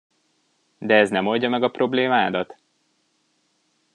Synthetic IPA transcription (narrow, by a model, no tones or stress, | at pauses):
d̪ɛɛznɛmolɟɒmɛɡɒpro̞bleːmaːd̪ɒt̪